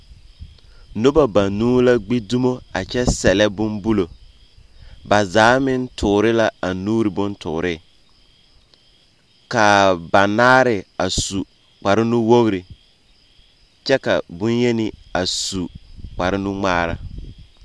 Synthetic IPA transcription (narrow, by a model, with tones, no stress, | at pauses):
nʊ˦ba˨ba˨nuː˦la˦ɡ͡bi˦du˦mo˦a˨t͡ʃɛ˦sɛ˨lɛ˦bʊ˦mbu˦lo˨ | ba˨zaː˨˦mɪ˦ntʊː˨ɾɪ˦la˦a˨nuː˦ɾɪ˨bʊ˦ntʊ̰ː˨ɾɪ˦˨ | ka˨ba˨naː˦ɾɪ˨a˨su˨ | k͡pa˨ɾɪ˦nʊ˦wo˦ɣɾɪ˨ | t͡ʃɛ˦ka̰˨bʊ˦nje˦nɪ˦a˨su˨k͡pa˨ɾɪ˦nʊ˦ŋ͡maː˦ɾa˨